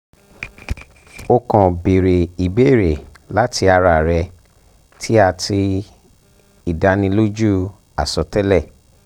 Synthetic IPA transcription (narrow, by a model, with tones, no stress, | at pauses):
o˧kɔ̃˨be˨ɾe˨i˨be˦i˦˨ɾe˨ | la˦tʰi˧a˧ɾa˧˨ɾɛ˧ | tʰi˦a˧tʰi˧ | i˨da˨˧nĩ˧lo˦d͡ʒu˦ | a̰˨sɔ˨tɛ˦lɛ˦˨